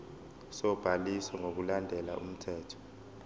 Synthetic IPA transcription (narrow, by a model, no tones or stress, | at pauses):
sɔb̥ʱalisɛŋok̬ulandʱɛla̰ʔṵm̩tʰɛːtʰɔ̥